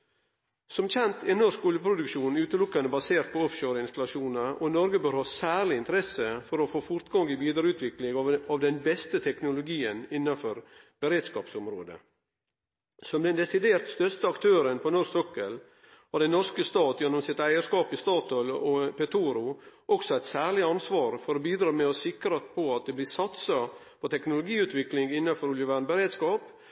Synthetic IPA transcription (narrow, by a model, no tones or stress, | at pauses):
sɔmçɛnt̪ʰɛnɔʂkɔljəpɾʊd̪ʉkʃuːnʉːt̪əlʊkːɑnəbɑseːɾt̪̚pʰɔɔfʃøːɾɪnst̪ɑlɑʃuːnəʔɔnɔɾɡəbøːɾhɑːsæːɾɭɪɪnt̪əɾɛsəfɔɾɔfoːfʊɾt̪ɡɑŋɪʋiːd̪əɾəʉːt̪ʰʋɪklɪŋɑʋd̪ɛnbɛst̪ət̪ʰɛknʊlʊɡiːənɪnːɑnfɔɾb̥əɾeːd̪skɑ̰ːpsɔmɾoːd̪ə̰ | sɔmd̪ɛnd̪ɛsɪd̪eːɾt̪st̪œst̪əɑkt̪ʰøːɾənpʰɔnɔɾsɔkːəl | ɔd̪ɛnɔɾskəst̪ɑːt̪jɛnːɔmsɪt̪æɪəskɑːpɪst̪ɑːt̪ʰɔlɔpɛt̪ʰuːɾʊʔɔksɔæɪt̪sæːɭɪɑnsʋɑːɾfɔɾoːbiːd̪ɾɑːmɛɔsɪkɾɑpʰɔɑt̪̚d̪ɛblɪsɑt̪sɑ | pʰɔt̪ʰɛknʊlʊɡiːʉːt̪ʋɪklɪŋɪnːɑfɔɾʉljəʋæɳbəɾeːd̪skɑːp